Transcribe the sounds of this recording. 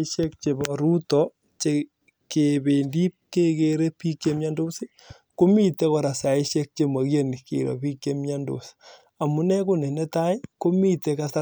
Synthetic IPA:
ʃɛ˦k̚t͡ʃe˨bɔ˨ɾu˦tɔ | t͡ʃe | ke˨be˨ndi˦p̚ke˦ke˨ɾe˦pi˦kːe˦mja˦ndo˦se˦ | ko˦mi˦˨te˦kɔ˨ɾa˨sa˨ɪ˦ʃɛ˦k̚t͡ʃe˦ma˨ɣje˦ni˨kḛ˨ɾɔ̰˨pi˦kje˦mɲa˦ndo̰˨s | a˨mu˨nɛ˦ko˦ne˨nɛ˦ta˦jko˦mi˦te˨ka˦sa

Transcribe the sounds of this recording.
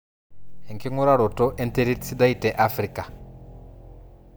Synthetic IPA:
hɛ˨ŋki˦ŋu˦ɾa˦ɺɔ˨tɔ˦ʔɛ˦nte˦ɾi˦tsi˦da˦i˨tɛ˨ʔa˦fri˨ka˨

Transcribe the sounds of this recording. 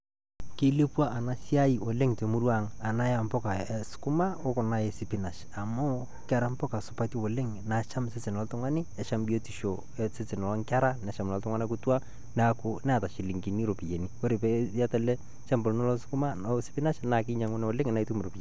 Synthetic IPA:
ke˦le˦pwa˦ʔa˨na˨˦si˦a˦i˨ʔo˨lɪ˦ŋte˨mu˦ɾwa˦ŋa˨na˦ja˨mpɔ˦ka˨sʊ̥˦kʊ˦ma˦o˦kʊ˨na˦e˨sɪ˨pɪ˦na˨ʃ | a˨mʊ˦ | ka˦˨ɾa˨˦mpɔ˦ka˨sʊ˨pa˦ti˦o˨lɪ˦ŋna˨ʃa˦msɪ˦t͡sɪ˨n˨ɔ˦ltʊ˦ŋa˦nɪ˦ɛ˨ʃa˦mbi˦o˦ti˨ʃo˨ | sɪ˦t͡sɪ˨nɔ˨lɔ˦ŋka˦ɾa˦nɛ˨˦ʃa˨mlɔ˨ltʊ˦ŋwa˦na˦kʊ˦twa˦ | na˨kʊ˦nɛ˦a˨ta˨ʃɪ˨lɪ˨ŋki˨ni˦ɾo˨pi˨je˨ni˦wo˦ɾe˨pe˦ja˦ta˨lɛ˦ | t͡ʃa˦mbɔ˨lnɔ˦lɔ˦sɪ̥˦kʊ˦ma˦sɪ̥˦pɪ˦na˦ʃna˨kɪ˦ɲa˨ŋʊ˦n˨o˨lɪ˦ŋa˨na˦i˦tu˦mɾo˨pi˨je˨

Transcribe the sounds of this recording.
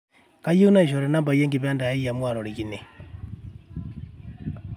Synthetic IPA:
ka˦ji˦u˦na˦i˨ʃɔ˨ɾɛ˨na˦mba˨jɛ˦ŋɡi˨βɛ˦nda˨i˦ja˨mwa˨ɾɔ˨ɾi˨ki˨ne˨

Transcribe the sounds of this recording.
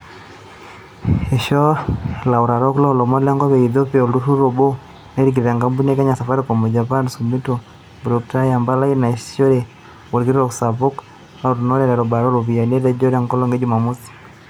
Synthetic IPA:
e˨ʃɔ˦la˨u˨ɾa˨ɾɔ˦klɔ˦lɔ˨mɔ˦lɛ˦ŋɡɔ˦βɛ˨i˨ðo˦pia˨ldu˦ɾu˦ɾo˨bo˦ | na˦ɾi˦k̬i˨ɾeɾa˨ŋɡa˦mbu˦ne˦ka˦ɲa˨sa˨fa˦ɾi˦kɔ˨mɔ˨d͡ʒa˨pa˦nsu˨mi˦to | bu˨ɾo˨k̚ta˦ja˨mba˦la˦i˦na˨ʃo˦ɾe˨ | wo˨ɾɡi˦ɾɔ˨ksa˨po˦k | la˨u˨ɾu˨nɔ˦ɾɛ˨ɾɛ˨ɾɔ˨ba˨ɾɔ˦lo˨vi˨ja˨ne˦ɾɛ˦d͡ʒɔ˦ɾa˨ŋkɔ˦lɔ˦ŋɡe˦d͡ʒu˨ma˨mu˦si̥˨

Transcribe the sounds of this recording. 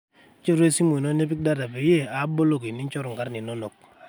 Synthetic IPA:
t͡ʃi˦ɾe˦si˦mo˨no˦ne˦pi˦k̚da˦ɾa˨pe˨je˦˨a˨˦bo˦lo˦˨ki˨ni˦t͡ʃo˦ɾu˨ŋ˨ka˦ɾni˨no˦no˨k̚

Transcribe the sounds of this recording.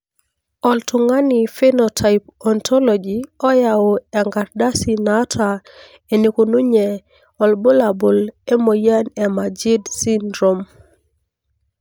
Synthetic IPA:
ɔ˨ltʊ˨ŋa˦ni˨fe˦nɔtʰa˨jp̚ɔntʰɔ˦lɔd͡ʒiɔ˦jaoɛ˨ŋɡa˨ɾda˦si˨na˦tʰa˨ | e˨ni˨ko˨nu˦ɲɛ˨ | ɔ˨lbo˦la˨bo˨le˦mo˨ja˦nɛ˨mad͡ʒi˦dsi˦ndɾo˨m

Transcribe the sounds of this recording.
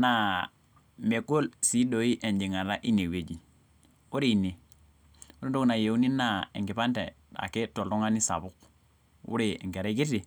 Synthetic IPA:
na˨ | me˨ko˦lsi˦do˨i˦ʔe˨nd͡ʒi˨ŋa˨la˦ʔi˦ne˨we˨d͡ʒi˨ | u˦ɾi˦i˨ne˨ | u˦ɾi˦n˦do˦kna˨je˨u˦ni˦na˦ḛ˨ŋɡi˨pa˦ntḛ˨ | a̰˨ke˦to˨lɔ˦ŋa˦ni˦sa̰˨bu˦k | ṵ˦ɾḛ˨ŋke˨ɾe˦ki˦ti˨

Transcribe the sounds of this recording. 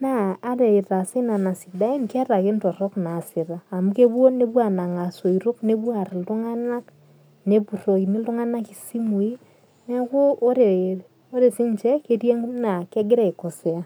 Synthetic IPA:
naː˦ɾɛ˨ɪ˨ɾa˨sɪ˦na˨na˨sɪ˨da˦i˦nkɛ˦ɾa˨kɪ˦ntɔ˨rɔ˦kna˨sɪ˨ɾaː˨mu˦ke˦bwo˦ne˦bwa˨na˨ŋa˨so˨iɾo˦kne˦bwa˨rlʊ˦ŋa˦na˦k | ne˦bu˨ro˨ki˨ni˦lʊ˦ŋa˦na˦ki˨si˦mu˨i˦ | nɛ˦kʊ˦o˦ɾe˨ | o˦ɾe˨sɪ˦nt͡ʃɛ˦ke˦ɾje˦ŋna˨kɛ˦ɡɪ˦ɾɛ˦i˨kɔ˨sɛ˦a˦

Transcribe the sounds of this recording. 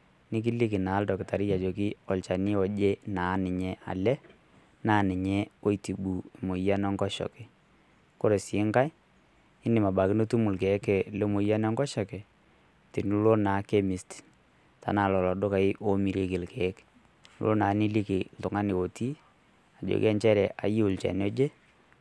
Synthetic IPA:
nɪ˦k̬i˦li˦kɪ˨na˨˦ldɔ˨kɪ˨ta˨ɾi˦ja˨d͡ʒo˨k̬i˦ɔ˨lt͡ʃa˨nɪ˦ɔ˨d͡ʒe˦naː˨˦nɪ˨ɲɛ˦a̰˨lɛ˦ | naː˦nɪ˨ɲɛ˦o˦i˨ti˨ɓu˨e˨mo˨ja˦nɔ˦ŋɡɔ˦ʃɔ̰˨kɛ˨ | ko˦ɾe˨sɪː˨˦ŋka˦j | ɪ˦nɪ˨ma˨ɓa˨kɪ˦no˦tu˦mʊ˨lkɛ˨˦ke˨le˦mo˨ja˦n˦ɔ˦ŋɡɔ˦ʃɔ˨kɛ˨ | ti˨n˦lo˦na˨˦ke˦mɪ˨st | ta̰˨˦na˨lɔ˨lɔ˨ɗo˦ka˨ɪ˦ʔo˦mi˨ɾe˦kɪ˨lkɛ˨˦k | lo̰˦naː˨˦ni˦li˦kɪ˨ltʊ˨ŋa˦ni˨o˨ti˦ | a˨d͡ʒo̰˨kɛ˦nt͡ʃɛ˦ɾɛ˨ʔa̰˨ji˦u˨lt͡ʃa̰˨n˦ɔ˦d͡ʒe˦

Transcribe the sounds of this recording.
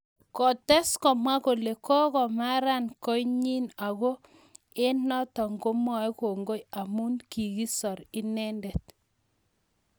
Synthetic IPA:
kɔ˨tɛ˦skɔ˨mwa˦ko˨le˨kɔ˦kɔ˨ma˦ɾa˦nkɔ˦jɲi˦na˨ɣo˦ | e˦nɔ˦tɔ˨ŋɡo˦mɔ˨˦jko˨ŋɡo˦ja˨mu˦nki˨ɣi˦sɔ˨ɾi˦nɛ˦ndɛ˨t̚

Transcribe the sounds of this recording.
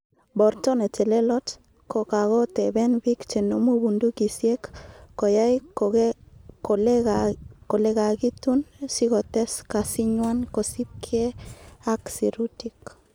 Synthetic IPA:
bɔ˨ɾtɔne˨t͡ʃɛ˨le˦lɔ˦t | ko˨ka˨ɣɔ˦tɛbɛ˦nbi˦kt͡ʃe˨no˦mu˦bundu˦ki˨sje˦kːo˨ja˦j | ko˨l | ko˨lɛka˨ɡi˦tunsi˦kɔ˨tɛska˨si˦ɲwa˦nko˨si˦p̚kʰe˦a˦ksi˨ɾutik

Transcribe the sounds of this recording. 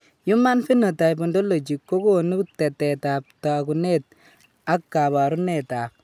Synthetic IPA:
ju˦ma˦nfi˦no˨ta˨jb̬u˨ndo˦lo˨d͡ʒi˨kːo˦ko˦nu˦tɛ˨tɛ˨ta˨p̚ta˨ku˨ne˦t̚ | a˦kːa˨ba˨ɾu˦ne˨ta˨

